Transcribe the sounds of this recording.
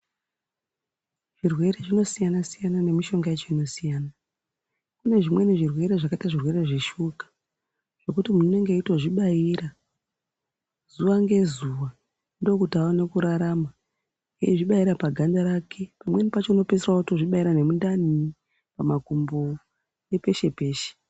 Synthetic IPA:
ʐ̥irwe̞ɾeʐino̞sijanasijanane̞miʃo̞ŋɡaet͡ʃoino̞sijaːna | kune̞ʐimwe̞neʐirwe̞ɾe̞ʐakataʐirwe̞ɾe̞ʐeʃukḁ | ʐ̥e̞kutimunone̞ŋɡeitoʐiɓaiːɾa | zuʋaŋɡe̞zuʋa | ndo̞kutaone̞kuɾaɾama | ŋɡḛiʐiɓaiɾapaɡʱandaɾakʰe̞pamwe̞nipat͡ʃo̞ino̞pes̬erauto̞ʐiɓaiɾane̞mundani | pamakumbo | je̞pe̞ʃe̞peːʃe̥

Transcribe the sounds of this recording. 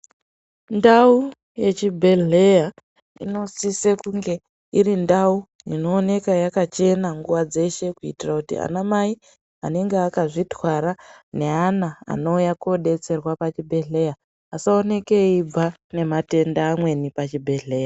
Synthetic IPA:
ndau | je̞t͡ʃibʱe̞ɮe̞ja | ḭno̞sisekuŋɡe̞ | iɾindau | ino̞ːne̞kajakat͡ʃe̞naŋɡuʋad͡ze̞ʃe̞kuḭtirakutḭa̰namai | a̰ne̞ŋɡeakaʐitwaɾane̞anaa̰no̞ujakoɗe̞t͡se̞rwapat͡ʃibʱe̞ɮe̞jaː | saone̞ke̞ib͡vane̞mate̞ndaːmwe̞nipat͡ʃibʱe̞ɮe̞ːja

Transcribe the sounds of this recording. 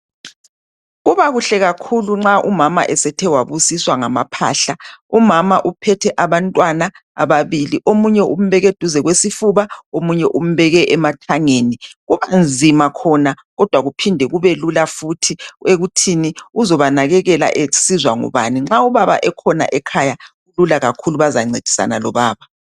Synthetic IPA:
ɣuβaɣuɬɛɣakʰuluŋ͡ǁaʔumama̰ʔɛsɛtʰɛwaβusiswaŋama̰pʰa̰ːɬaumamaʔupʰɛtʰɛʔaβantʼwana | a̰βaβiliʔomuɲɛṵm̩βɛɣed̥ʱuzɛɣwesifuβaomuɲɛʔum̩βɛɣɛʔɛmatʰaŋeːniɣuβand͡zʱimakʰɔna | ɣɔd̥ʱwaɣupʰindʱɛɣuβelulafutʰieɣutʰiniuzɔβanaɣɛɣɛla̰ʔesizwaŋṵβa̰niŋ͡ǁauβaβa̰ʔɛkʰɔna̰ʔɛkʰajaɣululaɣakʰuluβazaŋ͡ǀed̥ʱi̥sa̰nalɔβaːβa

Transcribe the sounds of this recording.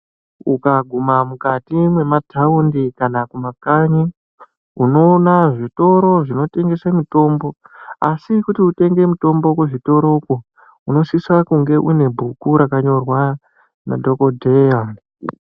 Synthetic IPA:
ukaɡʱumamukatimwe̞matʰaundikanakumakaɲi | uno̞naʐito̞ɾo̞ʐino̞te̞ŋɡe̞samuto̞ːmbo̞a̰sikutiute̞ŋɡe̞muto̞mbo̞kuʐito̞ɾo̞ku | uno̞siswakuŋɡe̞ʔune̞bʱukuɾakaɲo̞rwa | nadʱo̞ko̞dʱeja

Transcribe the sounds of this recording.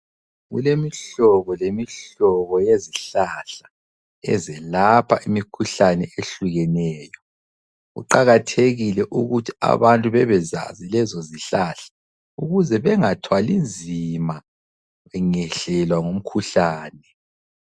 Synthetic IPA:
ɣṵlemiɬɔβɔlemiɬɔβɔjeziɬaɬḁ | ɛ̰zɛlapʰaʔimikʰuɬanɛeɬuɣɛnɛːjɔ | ɣṵǃaɣatʰeɣilɛʔuɣutʰi̥a̰βantʼuβɛβɛza̰zilɛzɔziɬaɬḁ | uɣuzɛβɛŋatʰwalind͡zʱima | ŋɛɬɛlwaŋom̩kʰuɬaːnɛ

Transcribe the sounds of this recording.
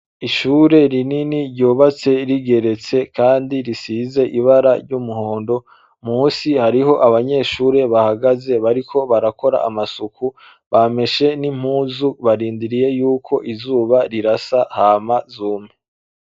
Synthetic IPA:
iʃuːɾe̞ɾininiɾɟoːβat͡se̞ɾiɡe̞ɾe̞t͡se̞kaːndiɾisize̞ʔiβaɾaɾɟumuhoːndo̞ | muːsihaɾiɦo̞ʔaβaɲe̞ːʃuːɾe̞βahaɡaze̞βaɾikʰo̞βaɾakʰo̞ɾa̰a̰masukʰu | βame̞ʃe̞nim̥huːzuβaɾiːndiɾije̞juːkʰo̞ʔizuːβaɾiɾasahaːmazuːmŋe

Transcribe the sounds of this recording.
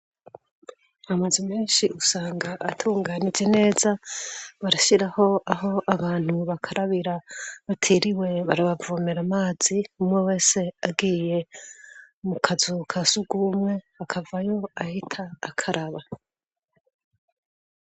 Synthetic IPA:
amazimeːnʃiʔusaːŋɡaʔːtʰuːŋɡanid͡ʒene̞ːzaβaɾaʃiɾaho̞aɦo̞ʔaβaːn̥huβakʰaɾaβiɾaβatʰiɾiwe̞βaɾaβavomeɾamaːz̥iumŋewe̞ːse̞abɡiːje̞ | mukʰazukʰasuɡumwe̞ | akʰavajo̞ahitʰaːkʰaɾaβa

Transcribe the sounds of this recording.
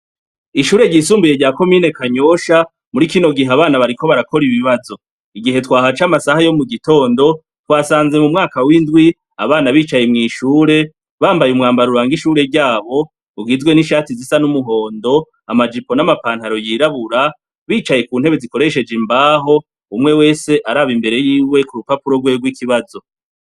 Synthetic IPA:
iʃuːɾe̞ɟisuːmbuje̞ɟaːko̞miːne̞kaɲo̞ʃa | muɾikino̞ɡiɦeaβaːnaβaɾiko̞βaɾako̞ɾiβiβazo̞ | iɡiɦe̞twaːɦat͡ʃamasahajo̞muɡito̞ːndo̞ | twaːsaːnze̞mumŋaːkawindɡwi | a̰βaːnaβiːt͡ʃaje̞mŋiːʃuːɾe̞ | βaːmbajumŋaːmbaɾuɾaːŋɡiʃuːɾe̞ɟaːβo̞ | uɡizɡwe̞niʃaːtizisanumuɦo̞ːndo̞ | amad͡ʒipo̞namapaːn̥haɾo̞jiɾaβuɾa | βiːt͡ʃaje̞kuːn̥e̞βe̞ziko̞ɾe̞ʃe̞d͡ʒimbaːɦo̞ | umŋe̞we̞ːse̞ʔaɾaβimbe̞ɾe̞jiːwe̞kuɾupapuɾo̞ɡweːɡwikiβazo̞

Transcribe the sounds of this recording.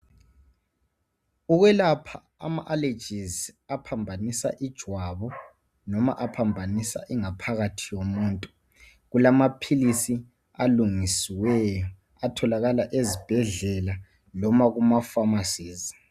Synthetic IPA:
uɣwɛlapʰa | a̰maʔale̥d͡ʒ̥ʱizapʰambʱanisa̰ʔid̥ʒ̥ʱwaβɔ | nɔma̰ʔapʰambʱanisa̰ʔiŋapʰaɣatʰijomuːntʼu | ɣulamapʰilisi | aluŋisiwɛjɔ | atʰɔlaɣalaʔezib̥ʱɛɮɛla | lɔmaɣumafamasiːzi

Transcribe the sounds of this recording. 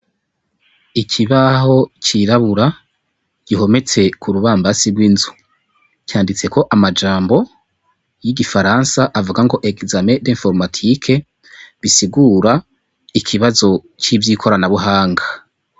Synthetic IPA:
ikʰiβaɦo̞t͡ʃiɾaβuɾa | ɟ̥iɦo̞me̞t͡se̞kʰuɾuβaːmbasiɡwinzu | caːndit͡se̞ko̞ʔamad͡ʒaːmbo̞ | jiɟifaɾansaʔavuɡaŋɡo̞ʔeɡzame̞deɱfo̞ɾmatʰikʰe̞ | βisiɡuɾa | ikʰiβazo̞ | t͡ʃivjiːkʰo̞ɾanaβuɦaːŋɡḁ

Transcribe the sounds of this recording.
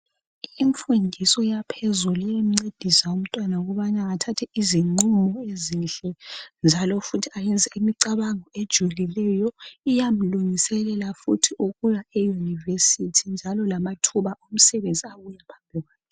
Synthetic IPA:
iɱfundʱisɔjapʰɛzulujem̩ŋ͡ǀed̥ʱisaum̩tʼwanauɣɔβanaːtʰatʰɛiziŋ͡ǀumɔezinɬɛnd͡ʒʱalɔfutʰiajɛnd͡zʱɛimiǀaβaŋɔed̥ʒ̥ʱwɛlilɛjɔijam̩luŋisɛlɛlafutʰiʔuɣujaɛjunivesitʰind͡ʒʱalɔlamatʰuβaom̩sɛβend͡zʱʼiaɣujapʰambʱiɣwaːkɛ

